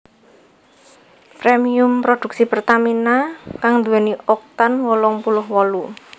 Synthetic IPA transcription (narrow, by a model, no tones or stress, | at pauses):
pɾemiʊmpɾod̪̥ṳk̚sipərt̪aminakaŋd̪uɛniʔɔk̚t̪anwɔlɔŋpulʊhwɔlu